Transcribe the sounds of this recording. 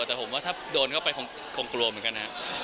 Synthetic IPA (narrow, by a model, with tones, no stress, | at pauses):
t̪ɛː˨˩pʰo˩˦mwaː˥˩t̪ʰa˥˩doː˧nkʰa˥˩wpa˧jkʰɔː˧ŋ | kʰoː˧ŋklu˧mɯ˩˦nka˧nɦa˦˥ʔ